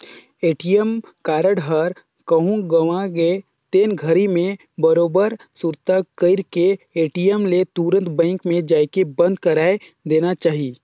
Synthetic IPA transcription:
eːʈijəmkaːɾəɽɦəɾ | kəɦũɡɐʋãɡe | t̪eːnɡʱəɾimẽ | bəɾoːbəɾ | suɾt̪akəɪɾkeeːʈijəmlet̪uɾə̃nt̪bɛ̃ːŋkmẽd͡ʒaːjkebɐ̃nd̪̚kɐɾaːe | d̪eːnat͡ʃaːɦi

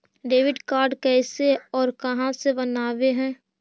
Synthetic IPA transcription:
ɖeːʋɪɖkaːɾɖkɛːseɔːɾkɐɦãsebɐnaːweɦɛ̃ː

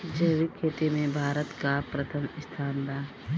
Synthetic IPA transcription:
d͡ʒəːʋikʰːeːt̪emẽbʱaːɾət̪kapɾət̪ʰəmɪst̪ʰaːnd̪aː

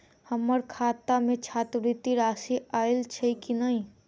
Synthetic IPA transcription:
həməɾkʰaːt̪amẽt͡ʃʰaːt̪ɾit̪iɾaːsiaːɪlt͡ʃʰeikinəɦĩ

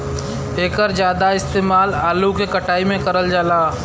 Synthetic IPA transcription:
eːkəɾd͡ʒjaːd̪aɪst̪eːmaːlaːlukekɐʈaːimẽkɐɾəld͡ʒaːlaː

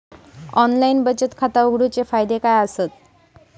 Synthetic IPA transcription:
ɔnlainbət͡ɕət̪kʰat̪auɡɽut͡sefajd̪ekajəsət̪̚

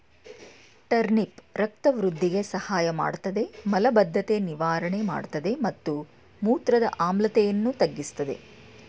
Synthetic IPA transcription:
ʈɐɾnipɾɐk̚t̪ɐʋɾud̪ʱːiɡe̞sɐhaːjɐma̰ːɖt̪ɐd̪e̞mɐlɐbɐd̪ʱːɐt̪eniʋaːɾɐɳe̞ma̰ːɖt̪ɐd̪e̞mɐt̪ːu | muːt̪ɾɐd̪ɐ̰ʔaːmlɐt̪ɛjɐnːut̪ɐɡːist̪ɐd̪e̞̰

